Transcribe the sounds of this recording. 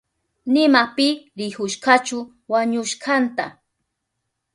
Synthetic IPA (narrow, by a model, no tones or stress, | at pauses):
nɪmapɪɾɪhʊʃɢat͡ʃʊ | waɲʊʃɢant̪a̰